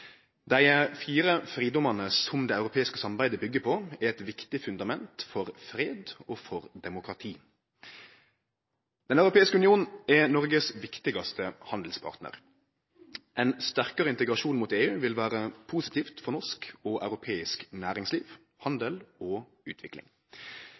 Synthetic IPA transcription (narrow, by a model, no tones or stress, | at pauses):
d̪æɪəfiːɾəfɾiːd̪ɔmɑnəsɔmd̪ɛːɑʉɾʊpʰeːɪskəsɑmɑbæɪd̪əbʏɡːəpʰɔɛɾɛt̪ʋɪkt̪ɪfʉnd̪ɑmɛnt̪fɔʁfɾeːd̪oːfɔʁd̪ɛmʊkɾɑt̪ʰiː | d̪̥ɛnɑʉɾʊpʰeːɪskəʉnɪuːnɛnɔɾɡəsʋɪkt̪ɪɡɑst̪əhɑnd̪l̩spʰɑ̰ʁt̪nə̰ʁ | ʔɛɪnst̪æʁkəʁəɪnt̪əɡʁɑʃuːnmʊt̪eːʉːʋɪlʋæːʁəpʰuːsɪt̪ʰiːft̪fɔɾnɔʂkɔʔɑ̰ʉɾʊpʰeːɪsknæːɾɪŋsliːʋ | hɑnd̪əlɔː | ʉ̰ːt̪ʰʋɪklɪ̰ŋ